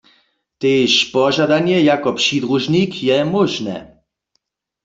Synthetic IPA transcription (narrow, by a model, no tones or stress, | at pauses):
t̪eːʃpɔʒadanjɛjakɔpʂid̪ʁuʒnikʰjɛmoʒnɛ̰